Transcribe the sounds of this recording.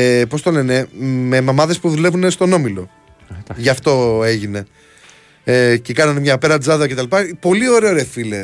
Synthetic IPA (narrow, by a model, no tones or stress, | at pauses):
po̞st̪o̞le̞ne̞me̞mɐmɐðe̞spuðule̞vune̞st̪o̞no̞milo̞ | ʝɐft̪o̞e̞ʝine̞ | ce̞kɐnɐnemɲɐpeɾɐd͡zɐðɐce̞t̪ɐlipɐpo̞lio̞ɾe̞oɾefile